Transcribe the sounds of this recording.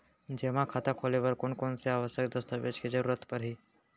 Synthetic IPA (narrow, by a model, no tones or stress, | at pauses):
d͡ʒeːmakʰat̪akʰoːlebəɾkoːnkoːnseaːʋəʃjəkd̪əst̪əʋeːd͡ʒked͡ʒəɾuːɾət̪pəɾɦiː